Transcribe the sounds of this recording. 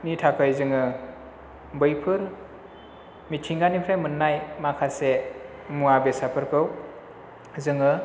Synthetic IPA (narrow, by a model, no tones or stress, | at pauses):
nitʰakʰɯjzɯŋɯ | bɯjpʰɯɾ | mitʰiŋɡanipʰɾajmɯnːajmakʰase | muabesapʰɯɾkʰɯw | zɯŋɯ